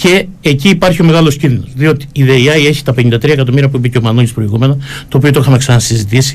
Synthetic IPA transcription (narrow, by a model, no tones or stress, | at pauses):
ce̞ː | ciːpɐɾçio̞me̞ɣɐlo̞scinðino̞zðio̞t̪i̥ːðeiɐje̞çi̥t̪ɐpe̞ɲind̪ɐt̪ɾiɐekɐt̪o̞miɾiɐpubicemɐnolʲispɾo̞iɣume̞nɐt̪oːp̬io̞t̪oixɐme̞ksɐnɐsizit̪isi̥